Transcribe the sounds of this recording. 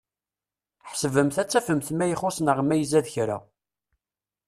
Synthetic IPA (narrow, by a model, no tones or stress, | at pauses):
ħsəvəmθæt͡sːæfəmθmæjəχʊsnəʁmæjəzæðçɾa̰